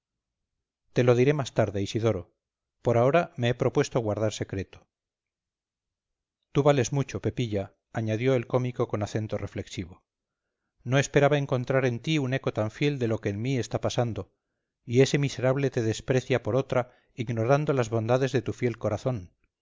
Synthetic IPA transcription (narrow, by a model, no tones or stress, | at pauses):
t̪e̞loð̞iɾe̞mast̪aɾðeisiðo̞ɾo̞ | po̞ɾao̞ɾame̞epɾo̞pwe̞st̪oɣwaɾð̞aɾse̞kɾe̞t̪o̥ | t̪uβale̞zmut͡ʃo̞pe̞piʎaː | ɲaðjo̞e̞lko̞miko̞ko̞naθe̞nt̪o̞rʔe̞fle̞ksiβ̞o̞ | no̞e̞spe̞ɾaβae̞ŋko̞nt̪ɾaɾe̞nt̪iune̞ko̞t̪aɱfje̞ld̪e̞lo̞keːnmie̞st̪apasand̪o̞ | ie̞se̞mise̞ɾaβle̞t̪e̞ðe̞spɾe̞θjapo̞ɾo̞t̪ɾa | iɣno̞ɾand̪o̞lazβo̞nd̪aðe̞zðe̞t̪ufje̞lko̞ɾaθo̞n